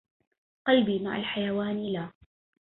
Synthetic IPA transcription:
qɑlbiːma̰ʕa̰lħajawaːnlaː

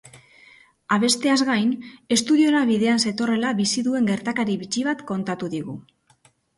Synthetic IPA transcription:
aβ̞e̞st̪e̞azɣajne̞st̪uðio̞naβiðe̞anse̞t̪o̞re̞laβisiðue̞ŋɡe̞ɾt̪akaɾiβit͡ʃiβ̞at̪ko̞nt̪at̪uðiɣu

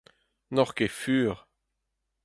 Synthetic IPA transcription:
nɔʁkefyːʁ

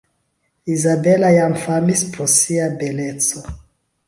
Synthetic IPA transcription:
izabelajamfamispɾosiabelet͡so

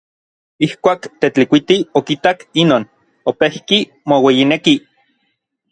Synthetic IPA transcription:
ihkʷaːkt̪et͡ɬikʷit̪iokit̪akinoːn | opehki | mowejineki

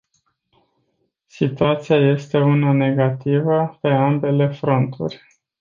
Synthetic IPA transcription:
sit̪uat̪siaje̞st̪e̞unane̞ɡat̪ivəpe̞ambe̞le̞fɾo̞nt̪ʰṵrʲ

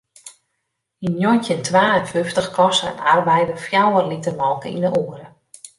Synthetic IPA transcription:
hinjɔntjəntʋaːənføftəxkɔsəɛ̰narbɛjdəfjawərlitərmɔlˠkəḭndəʔoːəɾə

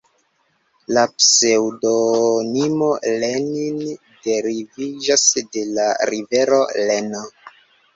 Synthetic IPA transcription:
lapse̞wdonimo̞lenin | de̞ɾivid͡ʒasde̞laɾive̞ɾo̞leno

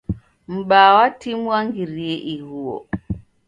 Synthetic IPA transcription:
m̩ɓaːwatimwaŋɡiɾijeʔihuwɔ̰

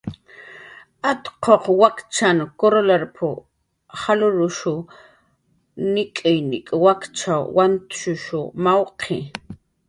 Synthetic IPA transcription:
at̪qʰoqwakt͡ʃankoɾolaɾpʰʊ | χalʊɾʊʃʊ | nɪkʼɪjnɪ̰kʼwakt͡ʃawant̪ʃʊʃʊ̰mawqʰe

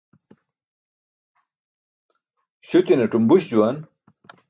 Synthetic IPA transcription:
ɕut̪inɐʈumbuɕd͡ʑuwɐn

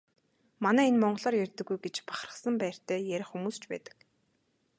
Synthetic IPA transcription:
manæːenmɔɴɢ̆ɮaːrjærʲt̪ɘ̆ɡːujɡet͡ɕpḁχrə̆χsə̆mpæːr̥t̪ʰæːjæɾʲɪ̆χxumuːst͡ɕpæ̰ːt̪ə̥̆k

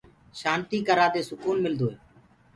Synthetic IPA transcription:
ʃaːnt̪iːkəɾaːd̪eːsʊkuːnmɪld̪oːɦeː

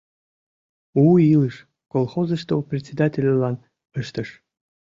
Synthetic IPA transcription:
uilˠɨʃ | kolˠxozə̆ʃt̪oprʲɪt̪ʲsʲed̪atʲelʲəlɑn | əʃt̪əʃ

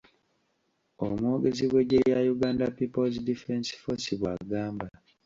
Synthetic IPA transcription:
o̰mwoːɡe̞ziβwe̞ɟejajuɡaːndapipozidifensi̥fosiβwa̰ɡaːmba

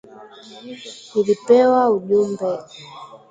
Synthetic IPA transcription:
ulipɛwauʄumbɛ

